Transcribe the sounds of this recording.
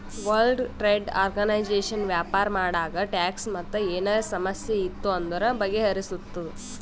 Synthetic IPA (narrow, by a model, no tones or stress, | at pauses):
ʋɐlɖʈɾeːɖa̰ːɾɡɐnɐjd͡ʒeːʂɐnʋjaːpaːɾɐmaːɽaːɡɐʈaːksmɐt̪ːɐeːnɐsɐmɐsjeit̪ːuɐnd̪ɐɾɐbɐɡːeɦɐɾisut̪ːɐ